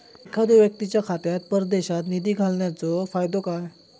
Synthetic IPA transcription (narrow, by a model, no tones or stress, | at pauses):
ekʰad̪uʋjək̚t̪it͡ɕjakʰat̪jat̪̚pəɾd̪eɕat̪nid̪iːɡʱalɳjat͡sɔfajd̪okaj